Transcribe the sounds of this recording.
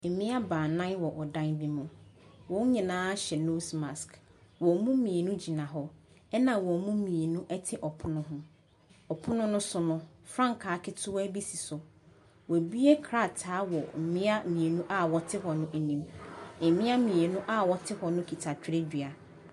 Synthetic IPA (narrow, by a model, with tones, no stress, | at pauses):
m̩˨mĩ˦a˦baː˨nã˦nwɔ˨ʔɔ˨dã˦nbi˦mʊ̃˨wɔ̃˨˦ɲĩ˨nãː˦ɕɛ˨no˦sma˨skwɔ˨mũ˦mĩ˨e˨nũ˦d͡ʑi˨nã˨ɦɔ˨ | ɛ˦nã˨wɔ˨mũ˦mĩ˨e˨nũ˦ʔɛ˦tʰɪ˦ʔɔ˨pʰʊ˦nʊ̃˦ɦʊ̃˦ | ɔ˨pʰʊ̃˦nʊ̃˦nʊ̃˦sʊ˦nʊ̃˦ | fɾã˦ŋkʰaː˨˦kʰɪ˦tʰʊ˦wæ˦bi˦si˨sʊ˨ | wɔ˨bi˦e˦kʰɾa˦˨tʰaː˨˦wɔ˨m̩˨mɪ̃˦a˦mĩ˨e˨nũ˦ʔa˦wɔ˨tʰɪ˦ɦɔ˨nʊ̃˦ʔnĩ˨m̩˨mɪ̃˦a˦mĩ˨e˨nũ˦ʔa˦wɔ˨tʰɪ˦hɔ˨nʊ̃˦kʰi˨tʰa˨t͡ɕᶣɪ˦ɾe˦di˨a˨